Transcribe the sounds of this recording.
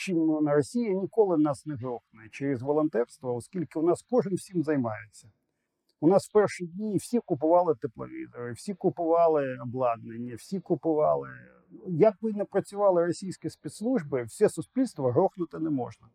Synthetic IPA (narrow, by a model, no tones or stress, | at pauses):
t͡ʃimnʊnɐɾɔsʲijɐnʲikɔlˠɪnɑsnɛɦɾɔxnʊjɪt͡ʃeɾɪzʋɔlˠɔnt̪ɛrst̪ʋɐɔskʲilʲkɪʊnɑskɔʒɪmwsʲimzɐjmɑjet͡sʲːɐ | ʊnɑswpɛrʃidʲnʲiːwsʲikʊpʊʋɑlˠɪt̪ɪplˠɐ̰ʋʲḭzɐɾɪwsʲikʊpʊʋɑlˠɪɔblˠɑd̪̚nenʲːɐwsʲikʊpʊʋɑlˠɪ | jɐkʋɪnɛpɾɐt͡sʲʊʋɑlˠɪɾɔsʲijsʲkʲispʲit̪slˠuʒbɪw̥sʲɛsʊspʲilʲst̪ʋɐɦɾɔxnʊt̪ɪnɛmɔ̰ʒnɐ